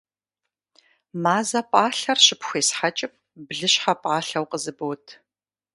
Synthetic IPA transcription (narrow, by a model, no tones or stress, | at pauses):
maːzɐpʼaːɬɐrɕɪpxʷeːsħat͡ʃʼɪp̚ | bɮɨɕħapʼaːɬɐwqəzɨbɨwtʰ